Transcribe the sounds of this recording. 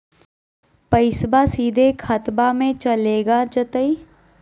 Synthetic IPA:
pəɪsbasiːd̪ʱekxʰɐt̪bamẽt͡ʃɐleːɡad͡ʒət̪əi

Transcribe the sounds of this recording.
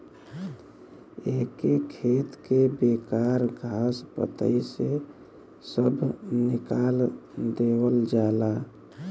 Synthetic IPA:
ekekʰet̪kebekaɾɡʱaspə̰t̪ə̰ise | səbʱnikald̪ewəld͡ʒala

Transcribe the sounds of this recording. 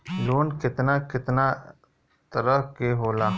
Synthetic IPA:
loːnkɪt̪naːkɪt̪naː | t̪ɐɾəkeɦoːlaː

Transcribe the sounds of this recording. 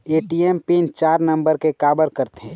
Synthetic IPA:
eːʈiempint͡ʃaːɾnə̃mbəɾkekaːbəɾkəɾt̪ɦɛ̃

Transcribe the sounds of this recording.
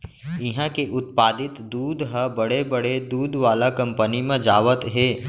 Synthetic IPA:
ɪɦãkeʔʊt̪̚paːd̪ɪt̪d̪uːd̪ɦəbəɽebəɽed̪uːd̪ʋaːlakɐ̃mpənimẽd͡ʒaːʋət̪ɦeː

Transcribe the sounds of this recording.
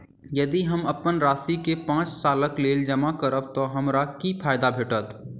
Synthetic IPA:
jɐd̪iɦəməpənɾaːsikepãːt͡ʃsaːləkleːld͡ʒəmakəɾəb̚t̪ɔɦɐmɾakipʰaːjd̪abʱeːʈət̪

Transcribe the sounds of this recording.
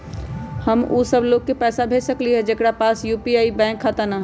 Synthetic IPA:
həmusəbloːɡ̚kepɛːsabʱeːsəkliɦɛd͡ʒekɽapaːsjuːpiaːibɛ̃ːŋkʰːat̪əɾnaɦɛ

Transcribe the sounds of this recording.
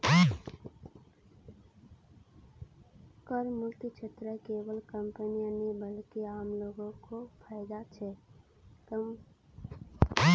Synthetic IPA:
kəɾmukt̪it͡ʃʰet̪ɾəkebəlkəmpənijanibəlkeamloɡõkopʰaɪd̪at͡ʃʰɛ | t̪əm

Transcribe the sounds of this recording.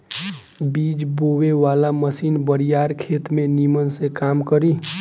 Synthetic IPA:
biːd͡ʒboːweʋaːlaməsiːnbəɾijaːɾkʰeːt̪mẽnimənsekaːmkəɾiː

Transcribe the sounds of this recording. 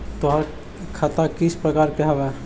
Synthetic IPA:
t̪oɦaɾ | kʰat̪akit͡ʃʰpɾəkaɾkeɦɛbɛ

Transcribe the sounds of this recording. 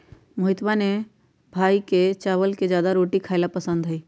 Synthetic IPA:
məɦɪt̪bane | bʱaːiket͡ʃaːʋəlked͡ʒjaːd̪aɾoːʈikʰaɪlapəsə̃nd̪ɦəi

